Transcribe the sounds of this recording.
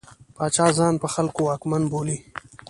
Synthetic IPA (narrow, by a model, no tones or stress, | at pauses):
pɑːt͡ʃɑːzɑːnpəxalkowɑːkmanboːli